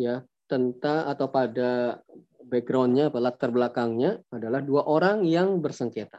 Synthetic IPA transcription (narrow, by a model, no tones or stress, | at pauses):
ja | t̪ənt̪aːt̪awpada | bɛɡɾawnɲaːpalat̪ərbəlakaŋɲaːdalahduaʔoɾaŋjaŋbərsəŋket̪a